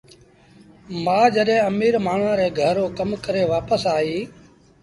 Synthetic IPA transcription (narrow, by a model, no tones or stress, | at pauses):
mãːd͡ʒəɗẽːəmiːɾmaːɳ̤ãːɾɛːɡʱəɾoːkəmkəɾeːʋaːpəsaːɦiː